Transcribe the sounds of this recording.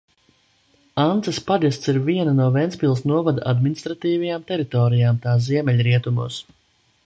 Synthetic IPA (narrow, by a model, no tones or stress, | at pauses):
ant̪saspad̪ist̪siɾviɛnanuɔvɛnspilˠsnuɔvad̪aad̪minist̪ɾat̪iːvajaːmt̪ɛɾit̪ɔːɾijaːmt̪aːziɛmɛlʲɾiɛt̪umṵːs